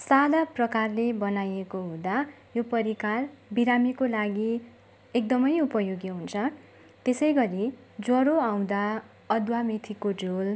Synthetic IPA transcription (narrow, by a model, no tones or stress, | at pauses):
sad̪aprʌkarlebʌnajekoɦũd̪a | jopʌɾikalbiɾamikolaɡi | ek̚d̪ʌmʌjupʌjoɡjʌɦunt͡sʰʌ | t̪esʌjɡʌɾi | d͡zʌɾoaw̃d̪a | ʌd̪wamit̪ʰikod͡zol